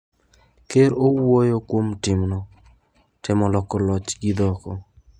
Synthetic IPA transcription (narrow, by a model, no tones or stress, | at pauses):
keɾowojokwomtɪmnɔ | tɪmɔlɔkɔlɔt͡ʃɡɪd̪ɔkɔ